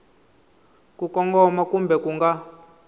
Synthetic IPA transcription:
kukɔŋɡɔmakumbɛkuŋɡa

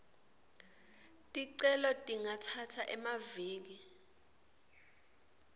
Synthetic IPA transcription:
tʼiǀɛlɔtʼiŋatʰatʰaʔɛmaviːk̬i

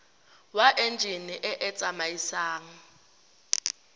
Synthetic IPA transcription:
waʔend͡ʒʱiniʔɛʔɛt͡sʼamajisaːŋ̩

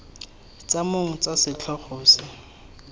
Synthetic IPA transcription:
t͡samoŋ̩t͡sasɪt͡ɬʰɔχoːsɪ

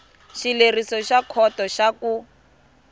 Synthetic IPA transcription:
ʃilerisɔʃakʰɔtɔʃaku

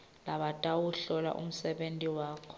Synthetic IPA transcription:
laɓatʼawuɬɔla̰ʔṵm̩sɛɓentʼiwaːkʰɔ̥

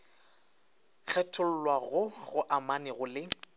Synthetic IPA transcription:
k͡xʰɛtʰʊl̩lwaɣʊɣʊʔamanɪɣʊlɪ

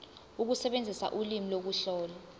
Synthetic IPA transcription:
uk̬usɛɓend͡zʱisa̰ʔulimilok̬uɬɔːla

